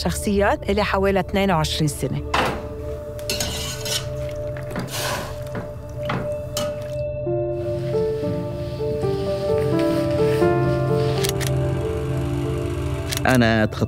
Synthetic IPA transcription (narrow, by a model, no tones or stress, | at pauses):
ʃɑxsˤɨjːaːt̪ʔɪlːiħaweːlit̪neːnawʕɪʃɾiːnsɪne | ʔanaʔt̪xɑ